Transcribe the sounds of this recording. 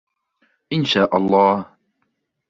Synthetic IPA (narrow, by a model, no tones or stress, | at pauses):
ʔɪnʃaːʔɑlˤːɑːh